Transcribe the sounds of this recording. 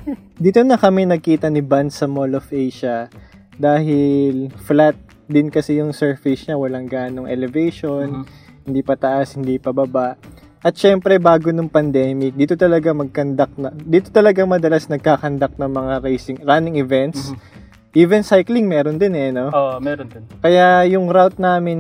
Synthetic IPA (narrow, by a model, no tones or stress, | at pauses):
d̪iːt̪onɐkɐmɛnɐɡ̚kiːt̪ɐnɪband̪sɐmolofʔejʃɐ | d̪aːhɪlflat̪̚ | d̪ɪnkɐsɛjʊŋsɛɹfɪsɲɐwɐlaŋɡaːnoŋʔɛlɛvejʃon | hɪnd̪iːpɐt̪ɐʔashɪnd̪ipɐbɐbaʔ | ʔɐt̪̚ʃɛmpɾɛbaːɡonʊŋpɐnd̪ɛːmɪk̚d̪iːt̪ot̪ɐlɐɡamɐɡ̚kɐnd̪ak̚nɐd̪iːt̪ot̪ɐlɐɡaŋmɐd̪ɐlasnɐɡ̚kaːkɐnd̪ak̚nɐŋmɐŋaɾejsɪŋɾanɪŋɪvɛnt̪s | ʔiːvɛnsajklɪŋmɛːɾond̪ɪnɛno̞oɛɾkɐjajʊŋɾawt̪̚naːmɪn